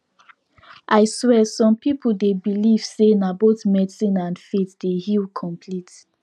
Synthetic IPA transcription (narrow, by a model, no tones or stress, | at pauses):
ʔaɪswɛsɔ̃mpipul̩debiliv̥senabotmɛsĩnãnfetdehilkʰɔ̃mpʰlit